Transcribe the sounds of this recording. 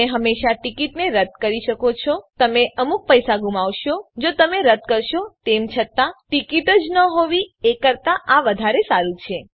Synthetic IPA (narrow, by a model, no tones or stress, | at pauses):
eɦəmːeʃaʈikiʈneɾət̪̚kəɾiʃəkot͡ʃʰɔt̪əmeʔəmuk̚pəjsaɡumaʋʃod͡ʒot̪əmeɾət̪̚kəɾʃot̪emt͡ʃʰət̪aʈikiʈəd͡ʒnəɦoʋiekəɾt̪aʔaʋəd̪ʱaɾesaɾut͡ʃʰe